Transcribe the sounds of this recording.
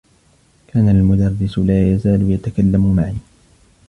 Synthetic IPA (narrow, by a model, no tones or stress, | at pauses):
kʰaːnalmʊd̪ɑrˤːɪsʊlaːjazaːlʊjat̪akalːamʊmaʕiː